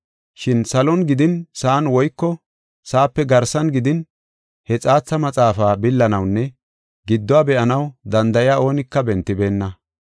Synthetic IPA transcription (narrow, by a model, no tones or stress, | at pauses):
ʃɪnsɐlɔnɡɪd̪ɪnsaːnwɔjkːɔ | saːpːɛɡɐɾsɐnɡɪd̪ɪn | hɛt͡sʼaːt͡sːɐmɐt͡sʼaːfaːbɪlːɐnɐwnːɛ | ɡɪd̪ːɔaːbɛʔɐnɐwd̪ɐnd̪ɐjɪjaːʔo̞ːnɪkːɐbɛnt̪ːɪbe̞ːnːɐ